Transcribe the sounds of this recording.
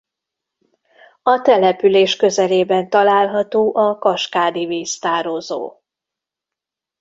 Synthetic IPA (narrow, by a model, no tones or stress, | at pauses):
ɒt̪ɛlɛpyleːʃkø̞zɛleːbɛnt̪ɒlaːlɦɒt̪oːʔɒkɒʃkaːd̪iviːst̪aːɾozo̰ː